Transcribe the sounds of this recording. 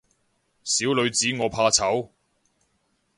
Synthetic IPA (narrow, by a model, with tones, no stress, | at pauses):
siː˨˥wlɵ˨˧ɥt͡siː˨˥ŋɔː˨˧pʰaː˧t͡sʰɐ˨˥w